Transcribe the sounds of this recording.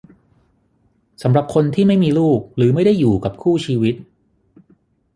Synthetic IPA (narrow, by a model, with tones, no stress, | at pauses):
sa˩˦mɾa˨˩p̚kʰo˧nt̪ʰiː˥˩ma˥˩jmiː˧luː˥˩k̚ɾɯː˩˦ma˥˩jda˥˩jːuː˨˩ka˨˩p̚kʰuː˥˩t͡ɕʰiː˧wi˦˥t̪̚